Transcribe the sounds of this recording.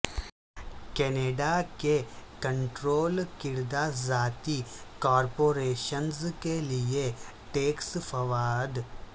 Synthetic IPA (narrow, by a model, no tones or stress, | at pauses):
kɛːneːɖakekə̃ɳʈɾoːlkɪɾd̪azaːt̪ikɔːɾpoːɾeːʃənzkelie | ʈeːksfʰɐʋaːd̪